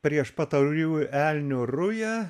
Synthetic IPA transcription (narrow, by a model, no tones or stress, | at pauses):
pʲɾʲiɛʃpɐt̪ɐjʲuːælʲnʲʊrʊjæ